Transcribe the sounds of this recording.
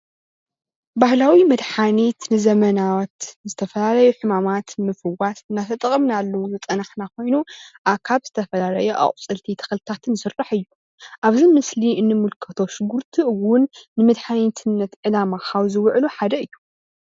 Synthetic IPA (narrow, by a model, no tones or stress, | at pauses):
bahlawimɨd̪ħanit̪nɨzɐmɐnawt̪zɨt̪ʰɐfɐlalɐjuħɨmamat̪mɨfɨwasɨnːat̪ʰɐt̪ʼɐkʼɐmnalːɐwuzɨt̪ʼɐnaħnakʰo̞jnuʔakʰaβz̥ɨt̪ʰɐfɐlalɐjuʔa̰χʼt͡sʼɨlt̪ʰit̪ʰɐ̥xɨlt̪ʰat̪ʰɨnsɨrːaħɨjːu | ʔaβzimɨsliɨnːɨmulkʰɐt̪ʰo̞ʃɪɡuɾt̪ʰiɨwʊnːɨmɨd̪ħant̪ʰɨnːɐt̪ʕɨlamakʰaβzɨwʕluħad̪ɐɨjːu